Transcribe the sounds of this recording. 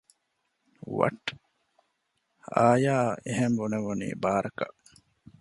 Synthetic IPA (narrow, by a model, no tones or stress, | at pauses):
ʋɐ̰ʈː | aːjaːeɦembuneʋunḭːbaːɾɐkɐʔ